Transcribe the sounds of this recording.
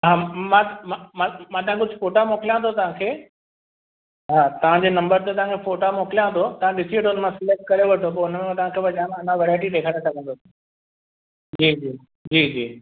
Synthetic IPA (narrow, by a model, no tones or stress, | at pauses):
ɦaːmãmamãmãt̪ɐɦãkʊd͡ʑʱɪfoːʈamoːkɪlijãt̪ʰot̪ɐʋ̤ãkʰeː | ɦaːt̪ɐʋ̤ãd͡ʑeːnɐ̃mbəɾt̪et̪ɐʋ̤ãkʰefoːʈamoːkɪlijãt̪ʰot̪ɐʋ̤ãɗɪsiʋɐʈʰoʊnəmãsɪlek̚ʈ̚kɐɾeʋɐʈʰop̬ɐɾʊnmẽẽt̪ɐʋ̤ãkʰeʋɐd͡ʑãnɐnãʋeːɾaːɪʈ̬iɗ̪eːkʰaːɾẽsɐkə̃nd̪osi | d͡ʑiːd͡ʑiː | d͡ʑiːd͡ʑiː